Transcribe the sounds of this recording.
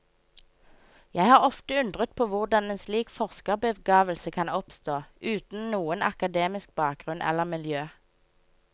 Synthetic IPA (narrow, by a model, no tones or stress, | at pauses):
jæɪhɑːʁɔft̪əʉnd̪ʁət̪̚pʰoːʋʊʁd̪ɑneːnsliːkfɔʁskəʁbəʋɡɑːʋəlsəkʰɑnɔpst̪oːʔʉːt̪n̩nuːənʔɑ̰kɑd̪eːmɪsk̚bɑːk̚ɡʁʉnʔɛ̰ləʁmɪljøː